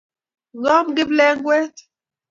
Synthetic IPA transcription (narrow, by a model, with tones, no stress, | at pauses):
ɣɔ˦mɡɪ˦blɛ˦ŋ˦ɡwɛ˦t